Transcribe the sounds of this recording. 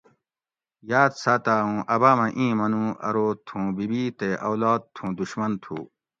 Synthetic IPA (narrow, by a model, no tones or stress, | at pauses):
jaːd̪saːt̪aːũːʔɐbaːmɐ̃ʔĩːmɐnũːɐ̰ɾoːt̪ʰũːbibit̪eʔɐwlaːd̪̚t̪ʰũːd̪uɕmɐnt̪ʰṵː